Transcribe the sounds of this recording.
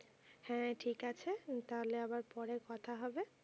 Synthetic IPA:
hɛ̃ʈʰikat͡ɕʰet̪aɦoleabaɾpɔɾekɔt̪ʰaɦɔbe

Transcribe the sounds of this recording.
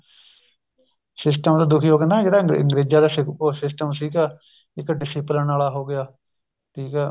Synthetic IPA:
sɪsʈəmd̪aːd̪ʊkʰiːɦoːkənd̪aːkɪd̪aːə̰ŋɡɾeːd͡ʒaːd̪aːsɪosɪsʈəmsiːkɛː | ɪkɖɪsiːplənaːlaːɦoːɡɪjaː | ʈʰiːkɛː

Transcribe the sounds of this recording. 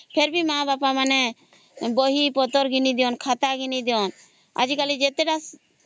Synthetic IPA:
pʰeɾbimãbapamanɛ | bɔɦipɔt̪ɔɾɡinid̪ijɔnkʰat̪aɡinid̪iɔn | a̰d͡ʒikalid͡ʒet̪ɛɖas

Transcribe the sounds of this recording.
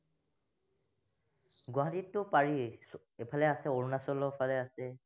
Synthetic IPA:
ɡaɦatitːʊpaɹi | epʰalɛasɛoɹunasɔlɔpʰalɛasɛ

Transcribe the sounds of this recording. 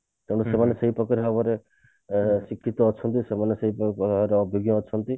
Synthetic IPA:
t̪ewɽ̃usemaneseɦipɔkaɾɦɔbɔɾe | sikʰːit̪ɔːt͡ʃʰɔnt̪̬isemaneseɦipɾeɔbʱjoɡjɔːt͡ʃʰɔnt̪i

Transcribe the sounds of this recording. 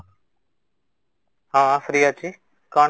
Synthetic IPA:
hãːfɾijaːt͡ʃiː | kaː

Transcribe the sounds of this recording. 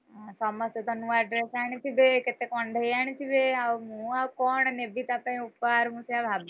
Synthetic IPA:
asɔːməset̪ɐnuʋaɖɾeːsaːɽ̃it̪ʰibeket̪ekɔːɳd̪ʱəiaːñit̪ʰibeaʋmũakɔːɳnebit̪apãĩʊpːaɾɦũsjabʱab

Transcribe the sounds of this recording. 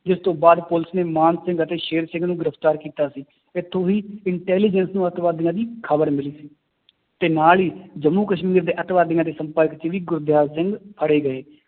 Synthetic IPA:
d͡ʒɪst̪õːbaːd̪pʊlɪsneːmaːnsɪ̃ŋɡət̪eːʃeːɾsɪ̃ŋɡnũːɡɪɾəpʰt̪aːɾkiːt̪aːsiː | ɪt̪ʰːõːɦiːɪɳʈɛːliːd͡ʒənsnũːət̪ʋaːd̪ɪjãːd̪iːkʰəbəɾmɪliːsiː | t̪eːnaːliːd͡ʒəmːuːkəʃmiːɾd̪eːʔət̪ʋaːd̪ɪjãːd̪eːsəmpəɾkt͡ʃʋiːɡʊɾd̪jaːzsɪ̃ŋɡpʰəɽeːɡəeː

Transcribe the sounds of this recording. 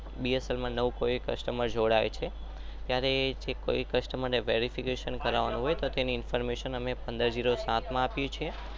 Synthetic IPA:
biəsəlmãnəʋũkoikə̰ʃʈəməɾd͡ʒoɽaʋet͡ʃʰe | t̪jaɾed͡ʒeko̰ikəʃʈəməɾneʋeɾifikeʃənkəɾaʋanũɦojet̪ot̪eniɪnfəɾmeʃənəmepə̃nd̪əɾd͡ʒiɾosãt̪mãapjũt͡ʃʰie

